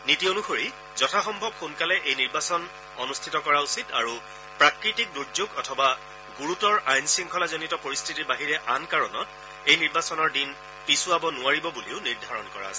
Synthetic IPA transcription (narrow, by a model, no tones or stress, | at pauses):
nitionuxoɹi | zɔtʰaxɔmbʱɔbxunkalɛʔejniɹbasɔn | ɔnustʰitɔkɔɹausita̰ɹu | pɹakɹitik̚duɹzoɡɔtʰɔba | ɡuɹutɔɹʔajnsiŋkʰɔlazɔnitɔpoɹistʰitiɹbaɦiɹɛʔankaɹɔnɔt | ejniɹbasɔnɔɹdin | pisʊabɔnʊaɹibɔbuliʊniɹdʱaɹɔnkɔɹa̰s